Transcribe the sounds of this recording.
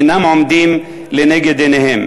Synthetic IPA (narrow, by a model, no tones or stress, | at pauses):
nɐmɔmd̪im | leneɡed̪eneɦem